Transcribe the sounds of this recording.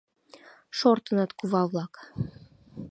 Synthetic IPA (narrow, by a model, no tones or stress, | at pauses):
ʃort̪ɤnɑt̪kuvɑvlˠɑk